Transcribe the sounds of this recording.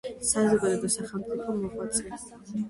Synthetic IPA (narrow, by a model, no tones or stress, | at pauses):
sazɔɡad̪ɛd̪ɔsaχɛlˠmt̪sʼipʰɔmːɔχʼwat̪sʰʼɛ